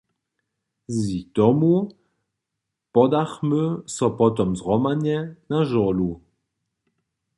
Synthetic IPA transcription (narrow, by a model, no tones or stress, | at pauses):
zit̪ɔmu | pɔd̪aχmøsɔpɔt̪ɔmsʁɔmanjɛnãʒɔlu